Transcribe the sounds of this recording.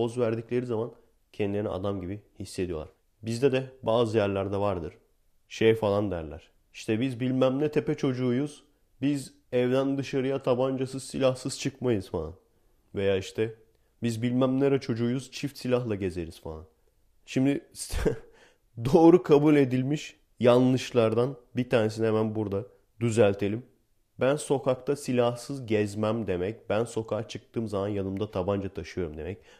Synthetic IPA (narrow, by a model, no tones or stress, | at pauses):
ozvæɾd̪iclʲe̞ɾizaman | cʰɛnd̪ilʲeɾnɛ̰ʔa̰d̪amɟibihisːe̞d̪ijo̞lˠa̰ɾ | bizd̪ɛd̪ɛbaːzɯjæɾlʲæɾd̪ɛvaɾd̪ɯɾ̥ | ʃejfalˠand̪æ̰ɾlʲæ̰ɾ̥ | i̥ʃt̪ʰɛbizbilʲmæmnʲɛt̪ʰepɛt͡ʃʰo̞d͡ʒuːjuz̥ | biz | ɛvd̪ænd̪ɯʃaɾɯjat̪ʰaband͡ʒasɯzsilʲahsɯz̥t͡ʃʰɯkmajɯz̥falˠa̰n | ve̞jaːiʃt̪ʰɛ | bizbilʲmæmneɾɛt͡ʃʰo̞d͡ʒuːjuz̥t͡ʃʰift̪silʲaɦlˠaɟe̞ze̞ɾiz̥fa̰an | ʃimd̪ɪ | d̪o̞ːɾukʰabulʲe̞d̪ilʲmiʃ | janˠlˠɯʃlˠaɾd̪anbit̪ʰaːɾnes̬inhemænbuɾd̪a | d̪yzælʲt̪ʰe̞lʲim | bænso̞kʰakt̪ʰasilʲahsɯzɟɛzmæmd̪e̞mɛc̚bænso̞kʰat͡ʃʰɯk̚t̪ʰɯːmzamanjanɯmd̪at̪ʰaband͡ʒat̪ʰaʃɯjo̞ɾumd̪e̞̰mɛc̚